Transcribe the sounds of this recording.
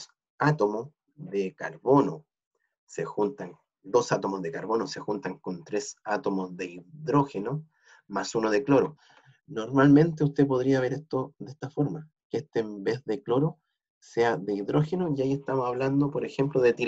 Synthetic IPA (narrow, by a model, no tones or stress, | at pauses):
s | at̪omo | ðekaɾβo̞no | sexunt̪aŋ | d̪o̞sat̪omozðekaɾβo̞nose̞xunt̪aŋko̞nt̪ɾesat̪o̞mosðeiðɾoxeno | masunoðe̞klo̞ɾo | no̞ɾmalmẽ̞nt̪e̞ust̪ep̬oðɾiaβ̞e̞ɾest̪oðest̪afo̞ɾma | keest̪eːmbe̞ððeklo̞ɾo | se̞aðeiðɾo̞xenojiaie̞st̪amosaβland̪opo̞ɾexe̞mploðet̪iɾ